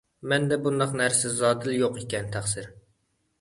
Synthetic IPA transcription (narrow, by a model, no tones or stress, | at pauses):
mɛnd̪ɛbund̪ɑqnæɾsɪzɑːd̪ɪljoqikʲɛnt̪ʰæχsɪɾ